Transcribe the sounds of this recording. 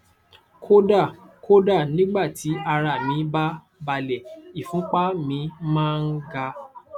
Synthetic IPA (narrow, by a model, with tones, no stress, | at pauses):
kʰo˦da˦˨ | ko˦da˦˨nĩ˦ɡ͡ba˦˨ti˨˦a˧ɾa˨mĩ˨˦ba˦ | ba˧lɛ˨i˨fũ˨˦k͡pa˦mĩ˨˧˦mãː˦n̩˦ɡa˧